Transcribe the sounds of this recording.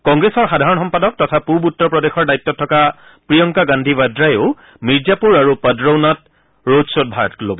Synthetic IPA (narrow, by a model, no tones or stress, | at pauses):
kɔŋɡɹesɔɹxadʱaɹɔnxɔmpadɔk̚tɔtʰapubutːɔpɹɔdexɔɹdajit̪ːɔtʰːɔka | pɹijɔŋkaɡandʱibadɹajeʊ | miɹzapuɹaɹupədɹownat̚ | ɹodsot̚bʱaɹtlobɔ